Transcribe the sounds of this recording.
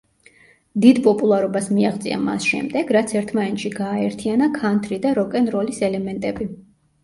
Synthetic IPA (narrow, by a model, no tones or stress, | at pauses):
d̪id̪pʼɔpʼulˠaɾɔbasmiaʁt̪sʼḭa̰ma̰sʃɛ̰md̪ɛɡɾat̪sʰɛɾt̪ʰmanɛt̪ʃiɡaːɛɾt̪ʰianakʰant̪ʰɾid̪aɾɔkʼɛnɾɔlisɛlɛmɛnt̪ʼɛbi